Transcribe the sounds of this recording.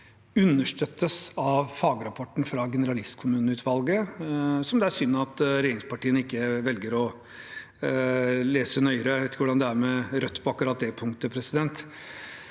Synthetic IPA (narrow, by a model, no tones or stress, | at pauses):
ʉnːəʂʈœt̪ːəsɑʋfɑːɡəɾɑpʰɔʈːn̩fɾɑɡɛnəɾɑlɪst̪kʰʊmʉːnəʉːt̪ʰʋɑlɡəsɔmd̪ɛæɾsʏnːɑt̪ɾɛjeːɾɪŋspɑʈiːənɪkːəʋɛlɡəɾɔ | leːsənœʏɾəʋeɪt̪ɪkəʋʊɖɑnd̪ɛæɾmɛɾœt̪ːpʰɔɑkʉɾɑt̪̚d̪ɛpʰʊŋt̪əpʰɾɛsɪd̪ɛnt̪